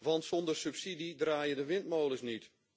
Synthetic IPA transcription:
ʋɑntsɔndərsypsididraːjədəʋɪnt̚moːləsnit

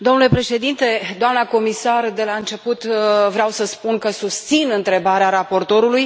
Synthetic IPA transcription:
d̪o̞mnule̞pɾe̞ʃe̞d̪int̪e̞d̪oamnəko̞misard̪e̞laɨnt͡ʃe̞put̪vɾeawsəspunkəsust̪sinɨnt̪ɾe̞baɾeaɾapo̞rt̪o̞ɾuluj

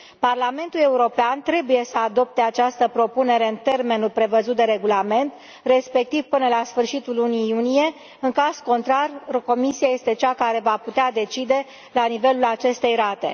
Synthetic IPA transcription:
parlame̞nt̪ule̞uɾo̞peant̪ɾe̞buje̞səad̪o̞p̚t̪e̞at͡ʃast̪əpɾo̞pune̞ɾe̞ɨnt̪e̞rme̞nulpɾe̞vəzut̪̚d̪e̞ɾe̞ɡulame̞nt̪ | re̞spe̞k̚t̪iv̥pɨnəlasfɨrʃit̪ulːuniːunije̞ | ɨŋkazko̞nt̪ɾarko̞misiaje̞st̪e̞t͡ʃakaɾe̞vaput̪ead̪e̞t͡ʃid̪e̞ | lanive̞lulat͡ʃe̞st̪e̞jɾat̪e̞̰

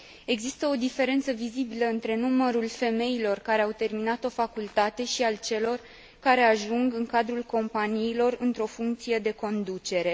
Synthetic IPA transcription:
e̞ɡzist̪əo̞d̪ife̞ɾe̞nt̪səvizibiləɨnt̪ɾe̞numəɾulfe̞me̞ilo̞rkaɾe̞awt̪e̞rminat̪o̞fakult̪at̪e̞ʃialt͡ʃe̞lo̞r | kaɾe̞aʒuŋɡɨŋkad̪ɾulko̞mpaniːlo̞rɨnt̪ɾo̞fuŋk̚t̪sije̞d̪e̞ko̞nd̪ut͡ʃe̞ɾe̞

